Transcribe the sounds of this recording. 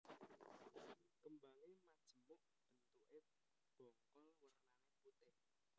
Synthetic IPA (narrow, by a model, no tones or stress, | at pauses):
kəmbaŋemad̥ʒ̥ə̤mʊʔ | b̥ə̤nt̪uʔe | b̥ɔŋkɔlwərnaneput̪ɪh